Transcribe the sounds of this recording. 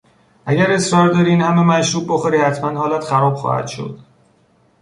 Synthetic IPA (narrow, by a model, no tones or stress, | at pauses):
ʔæɟæɾe̞sɾɒːɾd̪ɒːɾiinhæmemæʃɾuːbbexoɾiːhæt̪ʰmænhɒːlæt̪xæɾɒːb̥xɒ̰ːhæ̰d̪̥ʃo̞̰d̪̥